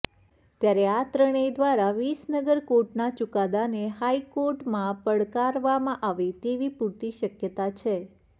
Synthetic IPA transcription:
t̪jaɾeat̪ɾəɽ̃əjd̪ʋaɾaʋisnəɡəɾkoɾʈnat͡ʃukad̪aneɦaikoɾʈmãpəɽkaɾʋamãʔaʋit̪eʋipuɾt̪iʃəkjət̪at͡ʃʰe

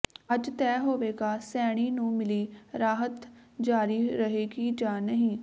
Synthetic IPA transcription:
əd͡ʒt̪ɛːɦoːʋeːɡaːsɛːɽ̃iːnũːmɪliːɾaːɦət̪ | d͡ʒaːɾiːɾəɦeːɡiːd͡ʒaːnəɦĩː

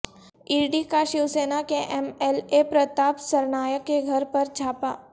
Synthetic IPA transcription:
ɪːɾɖikaʃɪwseːnakeʔɛmɛlepɾɐt̪aːpsɐɾnaːjəkːeɡʱɐɾpɐɾd͡ʒʱaːpaː

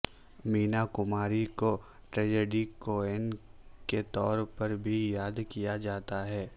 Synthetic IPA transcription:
miːnakʊmaːɾiko | ʈɾɛːd͡ʒeːɖikoːɛnket̪ɔːɾpɐɾbʱijaːd̪kijad͡ʒaːt̪aɦɛː

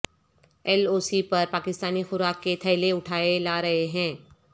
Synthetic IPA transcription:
ɛloːsipɐɾpaːkɪst̪aːnixʊɾaːkːet̪ʰɐɪleʊʈʰaːelaːɾɐɦeɦɛ̃ː

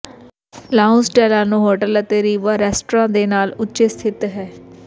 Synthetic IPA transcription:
laːʊ̃nsʈɛːlaːnũːɦoːʈələt̪eːɾiːʋaːɾɛːsʈɾãːd̪eːnaːlʊtːʃeːst̪ʰɪt̪ɦɛː

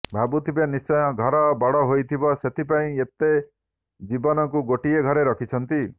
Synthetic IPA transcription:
bʱabut̪ʰibenist͡ʃɔjɔɡʱɔɾɔbɔɽɔɦojt̪ʰibɔset̪ʰipaĩet̪e | d͡ʒibɔnɔkuɡoʈieɡʱɔɾeɾɔkʰit͡ʃʰɔnt̪i

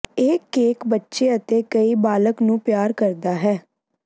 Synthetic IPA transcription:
eːkeːkbətːʃeːət̪eːkəiːbaːləknũːpɪjaːɾkəɾd̪aːɦɛː

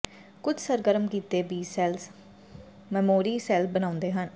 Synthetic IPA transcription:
kʊd͡ʒsəɾɡəɾəmkiːt̪eːbiːsɛːls | mɛːmoːɾiːsɛːlbənãːʊ̃nd̪eːɦən

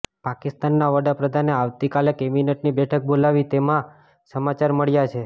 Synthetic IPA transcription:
pakist̪anːaʋəd̪apɾəd̪ʱaneaʋt̪ikalekemineʈnibɛʈʰək̚bolaʋit̪emã | səmat͡ʃaɾməɭjat͡ʃʰe

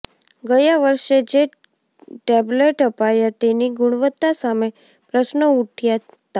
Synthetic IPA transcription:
ɡəjaʋəɾʃed͡ʒe | ʈɛbleʈəpajat̪eniɡuɽ̃ʋət̪ːasame | pɾəsnəuʈʰja | t̪a

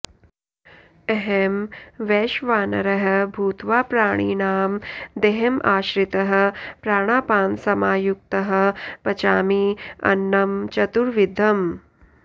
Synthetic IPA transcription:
eɦemʋeːʃʋaːnɐɾɐɦɐ̆bʱuːt̪ʋaːpɾaːɳ̃iːnaːmd̪eɦemʔaːʃɾit̪ɐɦɐ̆pɾaːɳ̃aːpaːnsɐmaːjuk̚t̪ɐɦɐ̆pɐt͡ʃaːmiɐ̰nːɐmt͡ʃɐt̪uɾʋid̪ʱɐm

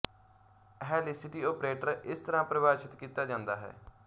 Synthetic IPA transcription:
ɦɛːliːsɪʈiːoːpɾeːʈəɾɪst̪əɾãːpɾəʋaːʃɪt̪kiːt̪aːd͡ʒãːnd̪aːɦɛ̰ː

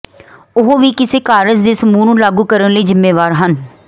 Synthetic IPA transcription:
ʊɦoːʋiːkɪseːkaːɾəd͡ʒd̪eːsəmuːnũːlaːɡuːkəɾənləiːzɪmːeːʋaːɾɦən

